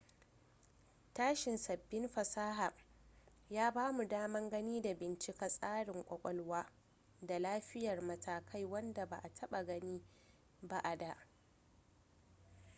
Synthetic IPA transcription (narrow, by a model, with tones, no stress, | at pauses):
taː˦ʃɪ˨nsɐ˨bːɪ˦nɸɐ˨saː˦ɦa˨ʔ | jaː˦baː˦mu˨daː˦mɐ˦ŋɡɐ˦niː˦da˨bɪ˨nt͡ʃɪ˦ka˨sʼaː˦ɽɪ˨ŋkʷʼɔ˨kʷʼɔ˦lwaː˦ | da˨laː˦ɸɪ˦jɐ˨rmɐ˨tʰaː˨kʰa˦jwɐ˦nda˨ba̰˨ʔa˨tʰɐ˦ɓa˨ɡɐ˦niː˦ | ba˦˨ʔa˨da˨ʔ